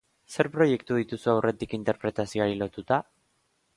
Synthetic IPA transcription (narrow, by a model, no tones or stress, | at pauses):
se̞ɾpɾo̞je̞kt̪uðit̪usuawrʔe̞t̪ikint̪e̞ɾpɾe̞t̪asio̞aɾilo̞t̪ut̪a